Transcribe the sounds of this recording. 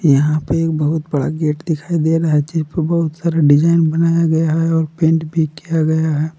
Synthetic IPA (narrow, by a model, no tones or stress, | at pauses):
jɐɦãpeeːk̚bɐɦʊt̪bɐɽa̰ɡeːʈd̪ɪkʰaːid̪eaɾɐɦaɦd͡ʒɪspebɐɦʊt̪saːɾaɖɪd͡ʒaːɪnbɐnaːjaɡɐjaɦɛɔːɾpẽːɳʈbʱikijaɡɐjaɦɛː